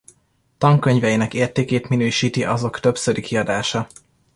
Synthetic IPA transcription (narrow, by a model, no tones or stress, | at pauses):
t̪ɒŋkøɲvɛjinɛkeːrt̪eːkeːt̪minøːʃiːt̪iʔɒzo̞kt̪øbsøɾikiɒd̪aːʃɒ